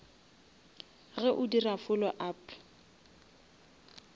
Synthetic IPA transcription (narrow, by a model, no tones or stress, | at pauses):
ɣɛʔʊdirafʊlɔʔaːp